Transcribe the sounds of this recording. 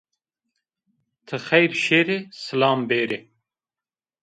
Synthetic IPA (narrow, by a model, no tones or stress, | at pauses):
t̪ʰɨxɛjɾʃeːɾesɨlɑːmbeːɾe